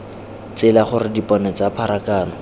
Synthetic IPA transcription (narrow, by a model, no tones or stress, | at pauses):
t͡sɪlaχʊrɪdipɔnɛt͡sapʰaɾakaːnɔ